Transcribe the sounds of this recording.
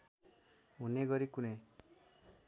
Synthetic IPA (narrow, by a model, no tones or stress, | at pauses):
uneɡʌɾikune